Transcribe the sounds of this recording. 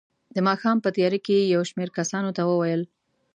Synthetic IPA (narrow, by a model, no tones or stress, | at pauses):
d̪əmɑxɑmpət̪jɑɾekejawʃmeɾkasɑnot̪awəwajəl